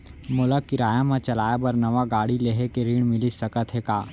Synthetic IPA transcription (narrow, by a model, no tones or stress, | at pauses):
mʊləkːɪɾaːjãmãt͡ʃɐlaːjebɐɾnɐʋaɡaːɽileːɦekeɾiːɳ̃mɪlisɐkət̪ʰɦekaː